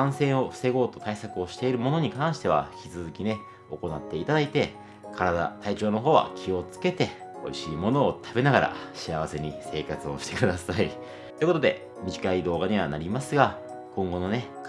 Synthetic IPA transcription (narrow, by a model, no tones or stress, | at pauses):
ãɰ̃sẽ̞o̞ɸɯ̟̥se̞ɡo̞ːt̪o̞̥t̪aisakɯ̟o̞ɕi̥t̪e̞iɾɯ̟mo̞no̞ɲ̟ikãɰ̃ɕi̥t̪e̞β̞a̰çʲit͡sɨzɨkʲine̞ | o̞ko̞nat̪ːe̞it̪ad̪ait̪e̞ | kʰaɾad̪a̰t̪ait͡ɕo̞ːno̞ɦo̞ːβa̰kʲʰio̞t͡sɨ̥ke̞t̪e̞o̞iɕiːmo̞no̞ːt̪ʰabe̞naɡaɾa̰ɕiaβase̞ɲ̟ise̞ːkat͡sɨo̞ɕi̥t̪ekɯ̟d̪asai | t̪oiko̞t̪o̞d̪e̞̰ | mʲiʑikaid̪o̞ːɡaɲ̟iβa̰naɾʲimasɨɡa | kõ̞ŋɡo̞no̞ne̞